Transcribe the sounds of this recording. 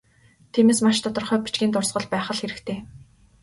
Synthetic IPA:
t̪ʰiːmeːsmaʃt̪ʰɔt̪ɞ̆rχœːpit͡ɕɡʲiːnt̪ʊrsʁɞ̆ɮpæːχə̆ɮxeɾɘ̆kt̪ʰeː

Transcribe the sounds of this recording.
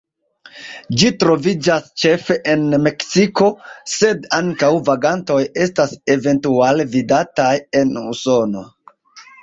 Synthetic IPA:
d͡ʒitɾo̞vid͡ʒast͡ʃe̞fe̞ʔenme̞ksiko̞se̞daŋkawvaɡanto̞je̞stase̞ve̞ntualvidataje̞nuso̞no̞

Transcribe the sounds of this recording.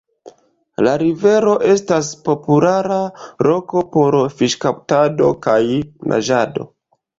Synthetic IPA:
laɾive̞ɾo̞ʔe̞staspo̞pulaɾalo̞ko̞po̞ɾfiʃkawtado̞kajnʔa̰ʒado̞̰

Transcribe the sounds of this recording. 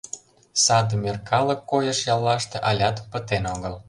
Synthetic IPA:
sɑd̪ə̆merkʰɑlɤ̆kːojəʃjɑlːɑʃt̪eʔɑlʲɑt̪pə̆t̪enoɣəl

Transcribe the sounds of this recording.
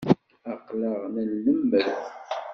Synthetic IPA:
əqləʁnəlːəmːəɾθ

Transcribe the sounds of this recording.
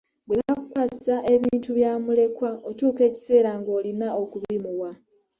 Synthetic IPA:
bwenaku̥kwassaʔe̞βiːntuβjaːmule̞kwao̞tuːke̞ːci̥se̞ːɾaŋɡo̞ːlinao̞kuβimuwa

